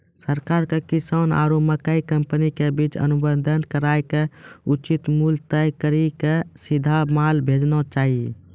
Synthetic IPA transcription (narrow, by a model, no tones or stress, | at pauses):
səɾkaːɾkekisana̰ɾoməkəikəmpənikebit͡ʃə̰nubənd̪ʱənkəɾaːjkeut͡ʃit̪mult̪əjkəɾikesid̪ʱamaːlbʱed͡ʒnot͡ʃaːɦi